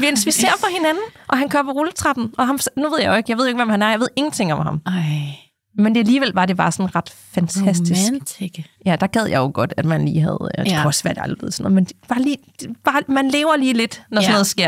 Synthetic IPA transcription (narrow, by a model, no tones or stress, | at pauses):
ʋiensʋise̝ɐ̰fɑ̈he̝nænn̩ʔɒ̽ɦænkʰøb̥ɐʁolət͡sʰʁɑ̈b̥n̩ʔɒ̽ɦɑ̈msnuʋeð̰ˠjajʊe̝ɡ̥əjɑɪe̝ðˠoeɡʋemhænæɐjɪʋe̝ð̰ˠe̝ŋn̩t͡sʰe̝ŋ̰ɒ̽mɦɑ̈m | mend̥e̝æliːʋel̰b̥ɑ̈ːd̥e̝bɑ̈ːsɒ̽nʁɑ̈d̥fænt͡sʰæsd̥isʰeɡ̥jæd̥ɑ̈kʰæð̰ˠjɑ̈ɪjoɡ̥ɒ̽d̥æd̥mænlḭːɦæð̞ˠdekʰuʋɑsʋæ̰ɐd̥eæ̰ləʋeðˠsɔno̽ð̩ˠmend̥eb̥ɑ̈ːliːd̥eb̥ɑ̈ːmænleːʊɐliːle̝d̥nɒsɔnɔðˠsɡ̥e̝ɐ̰